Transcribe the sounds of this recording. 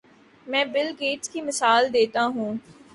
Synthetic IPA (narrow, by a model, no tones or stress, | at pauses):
mɛ̃ːbɪlɡeːʈskiːmɪsaːld̪eːt̪aɦũː